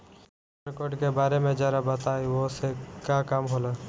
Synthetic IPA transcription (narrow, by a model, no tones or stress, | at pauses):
ɾkoːɾɖkebaːɾemẽd͡ʒaːɾabət̪aːiʋosekakaːmɦoːla